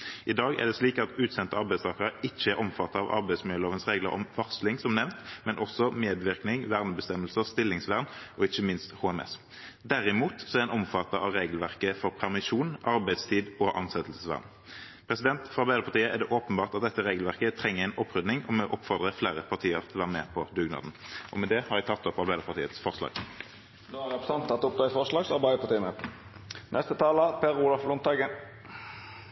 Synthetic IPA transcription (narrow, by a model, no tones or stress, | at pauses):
ʔɪd̪ɑːɡæ̰ʁd̪ɛsliːkɑt̪ʉːt̪sɛnt̪əɑɾʁbæɪst̪ɑːkəʁəɪçːəæɾʔɔmfɑt̪ːɑɑʋɑ̰ʁbæɪsmøloːʋənsʁeːɡlə̰ɾɔ̰mʋɑʁslɪŋsɔmnɛʋnt̪mɛnʔɔsɔmeːd̪ʋɪʁknɪŋʋæʁnəbəst̪ɛmːəlsəʁst̪ɪlːɪŋsʋæʁnʔɔɪçəmɪnst̪huːɛmɛ̰s | d̪æɾɪmuːt̪sɔɛʁɛnɔmfɑt̪ːɑɑʋʁeːɡəlʋæʁkəfɔʁpʰæʁmɪʃuːnʔɑɾʁbæɪst̪ʰiːd̪ɔʔɑ̰nsɛt̪əl̩səsʋæ̰ʁn | pʰʁɛsɪd̪ɛnt̪fɔʁɑʁbæɪd̪əɾpʰɑt̪iːəʔɛʁd̪ɛʔoːpənbɑːʁt̪ɑt̪̚d̪ɛt̪ːəʁeːɡəlʋæʁkət̪ʰʁɛŋːəæɪnɔpːʁʏd̪nɪŋɔmɛʔɔpːfɔʁd̪ʁəfleːʁəpʰɑʁt̪ʰiːəʁt̪ʰɪlɔʋæːʁəmḛːpʰɔd̪ʉɡnɑ̰ːd̪n̩ʔɔ̰mɛd̪ɛhɑʁɾɪt̪ʰɑt̪ːɔpɑʁbæɪd̪əʁpɑʁt̪ʰiːət̪sfɔʁslɑ̰ːɡ̥ | d̪oːæʁɛpəsɑnt̪ʰːɑt̪ːɔp̚d̪ʁɑːɪfɔʁslɑːɡsɑʁbæɪəpʰɑʁt̪iːəmə | nʔɛst̪ət̪ʰɑːləpʰeːʁuːlɑflɔnt̪ɑɡə